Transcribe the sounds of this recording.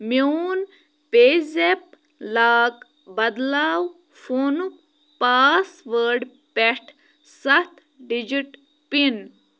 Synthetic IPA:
mjuːn | peːzep̚ | laːk | bɐd̪laːw | foːnu | paːsʋəɖ | peʈʰ | sɐht̪ | ɖid͡ʑiʈ | pin

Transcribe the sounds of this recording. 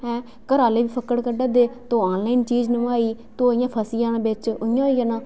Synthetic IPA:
ɛ̃ː | kəɾaːleːbiːpʰəkəɽkəɖəd̪eːt̪õːaːnlaːint͡ʃiːd͡ʒnəmaːiːt̪oːɪjãːpʰəsijãːbɪt͡ʃʊɪjãːijənãː

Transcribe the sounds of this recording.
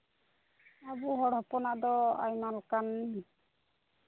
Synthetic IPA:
abɔɦɔɽɦɔpɔnaʔd̪ɔa̰jmalkanːɛ

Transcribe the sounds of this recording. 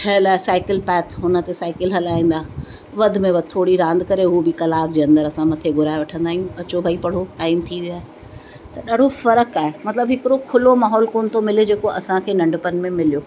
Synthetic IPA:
ʈʰɐəlaːesaːɪkɪlpɛːt̪ʰɦʊnə̆t̪esaːɪkɪlɦɐlaːĩːn̆d̪aː | ʋɐd̪ʱmẽʋɐt̪ʰoːɽiɾãːnd̪kɐɾeɦubɪkɐlaːk̚d͡ʑeːɐ̃nd̪əɾɐsãmɐt̪ʰeɡʱʊɾaːeʋɐʈʰə̃nd̪aːɦijũɐt͡ɕobʱaipɐɽ̤oʈaːɪmt̪ʰiʋiaːɦe | t̪ɐɗaɽ̤ofɐɾəkaːɦemɐt̪ləbɦɪkɪɾokʰʊlomaːɦɔːlkoːnɪ̆t̪ʰomɪled͡ʑeːkoʔɐsãkʰeːnɐ̃ɳɖpən̆mẽmɪlijoː

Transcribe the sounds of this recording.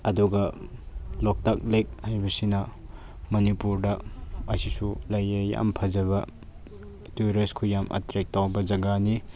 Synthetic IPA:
ɐduɡɐ | lok̚tak̚lek̚hajbɐsinɐ | mɐnipuɾdɐɐsisulɐjɐja̰mpʰɐzɐβɐ | tuɾeskʰujamʔɐ̰tɾek̚tawbɐd͡ʒɐɡani

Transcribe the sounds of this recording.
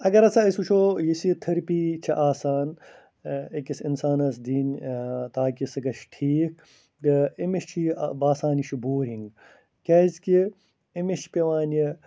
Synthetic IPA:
ɐɡɐɾɐt͡sʰɐɐsut͡ʃʰoːjisit̪ʰɐɾpiːt͡ʃʰɐʔaːsaːn | ekisinsaːnɐsd̪iːnt̪aːkisɐɡɐʃʈʰiːk̚ | ɡɐimeʃt͡ʃʰibaːsaːniʃiboːɾiŋɡ | kʲaːizki | imeʃpeʋaːnji

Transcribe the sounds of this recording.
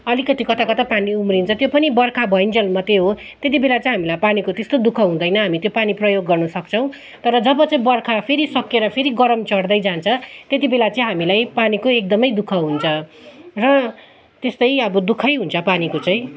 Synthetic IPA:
ʌlikʌt̪ikʌt̪ʰakʌt̪ʰapaniumrint͡sʰʌt̪jopʌnibʌrkʰabʱʌjnd͡zʌlmʌt̪eɦo | t̪et̪̬ibelat͡sʌĩɦamilajpanikot̪est̪od̪ukʰʌɦũd̪ʌjnʌɦamit̪jopaniprʌjoɡːʌrnʌsʌkt͡sʰʌ̃w̃ | t̪ʌɾʌd͡zʌbʌt͡saĩbʌrkʰapʰeɾisʌkːeɾʌpʰeɾiɡʌɾʌmt͡sʌɽd̪ʌjd͡zant͡sʰʌt̪jet̪̬ibelat͡saĩɦamilajpanikoek̚d̪ʌmʌjd̪ukʰʌɦunt͡sʰʌrʌ | t̪est̪ʌjʌbʌd̪ukʰʌjɦunt͡sʰʌpanikot͡saj̃

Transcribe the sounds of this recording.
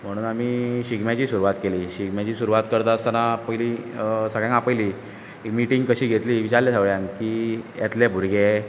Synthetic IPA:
m̤əɽ̃uːnamiːɕiɡmjat͡ɕiːsuɾuʋat̪keliːɕiɡmjat͡ɕiːsuɾuʋat̪kəɾt̪aəst̪anapəjlisəɡɭjãŋkapəjliː | ekmiʈiŋɡkəɕiːɡʱet̪liːʋit͡ɕaɾlasaʋɭjãŋkiːja̰t̪lebʱuɾɡe

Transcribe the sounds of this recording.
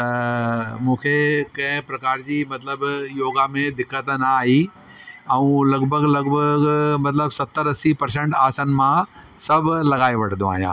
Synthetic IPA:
t̪ɐmũːkʰekɐ̃ɦɪ̃pɾɐkaːɾd͡ʑiːmɐt̪ləbjoːɡamẽd̪ɪkːət̪naaːɦi | ɛũːlɐɡbʱəɡlɐɡbʱəɡmɐt̪ləbsɐt̪ːəɾɐsipɐɾs̬ẽɳʈaːsənɪ̆mã | sɐbʱlɐɡaːeʋɐʈʰd̪õa̰ːɦijã̰ː

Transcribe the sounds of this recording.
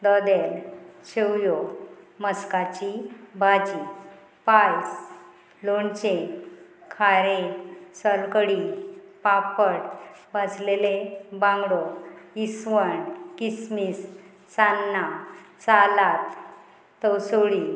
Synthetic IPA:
d̪ɔd̪elɕewjoməskat͡ɕibʱad͡ʑi | pajs | loɳt͡ɕe | kʰaɾesəlkəɽipapəʈbaslelebãŋɡɽoisʋəɳkismis | sanːat͡salat̪ː | əwsoɽi

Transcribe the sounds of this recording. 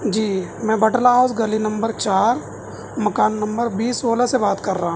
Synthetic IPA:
d͡ʒiːmɛ̃ːbɐʈlaɦaːzɡɐlinɐ̃mbəɾt͡ʃaːɾ | mɐkaːnːɐ̃mbəɾbiːsoːlasebaːt̪kɐɾːaɦã

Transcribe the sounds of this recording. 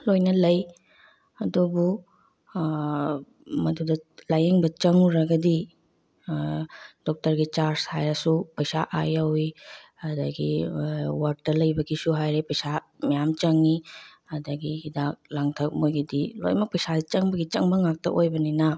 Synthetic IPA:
lojnɐlɐj | ɐdubu | mɐdudɐlajeŋbɐt͡ʃɐŋuɾɐɡɐdi | d̥ɔk̚tɐɾɡit͡ʃaɾshajɾɐsupɐjsa̰ʔa̰jawi | ɐdɐɡi | waɾk̚dɐlɐjbɐɡisuɦajɾepɐjsa | mɐjamt͡ʃɐŋi | ɐdɐɡihidak̚laŋtʰɐk̚mojɡidilo̰jmɐk̚pɐjsadit͡ʃɐŋbɐɡit͡ʃɐŋbɐŋak̚tɐ̰ʔojbɐninɐ

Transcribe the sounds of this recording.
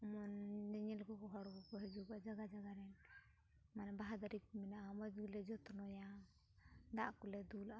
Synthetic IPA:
ɔmɔnd͡ʒɛɲɛlkɔkɔɦaɽɡɔkɔɦɛd͡ʒukad͡ʒaɡad͡ʒaɡaɾɛn | manɛbaɦad̪aɾik̚mɛnaʔamɔd͡ʒɡulɛd͡ʒɔt̪ɔnɔja | d̪aʔkulɛd̪ula

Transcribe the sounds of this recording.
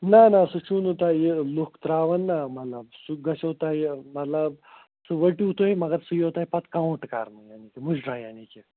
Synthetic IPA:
nanasut͡ʃunut̪aːjelukt̪ɾaːʋɐnːamɐt̪lɐbsuɡɐsɐwt̪aːjmɐt̪lɐb̚ | sɨʋɐʈiut̪oimɐɡɐt̪sujowt̪aːipɐt̪kãw̃ʈka̰ːɾmɨjaːnikemuʃɖɾaːjanike

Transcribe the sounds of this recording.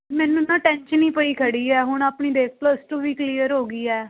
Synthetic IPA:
mɛ̃ːnũnãːʈɛ̃ːnʃənĩːpəiːkʰəɽiːɛːɦʊɳaːpɳiːd̪eːk̚ʰpləsʈoːʋiːkliːəɾɦoːɡiːɛː

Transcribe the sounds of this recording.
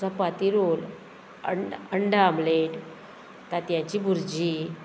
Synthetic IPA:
t͡sapat̪iɾol | ə̰ɳəɳɖaamleʈ | t̪at̪jãɲt͡ɕibʱuɾd͡ʑi

